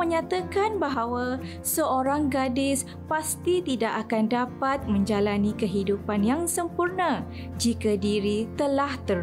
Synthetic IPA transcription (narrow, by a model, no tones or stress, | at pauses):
əɲãt̪akanbaɦawa | səoɾaŋɡadɪs | past̪it̪idaʔakandapat̪̚mə̃ɲd͡ʒalanĩkəɦidupanjaŋsəmpurnã | d͡ʒikadiɾit̪əlaht̪ə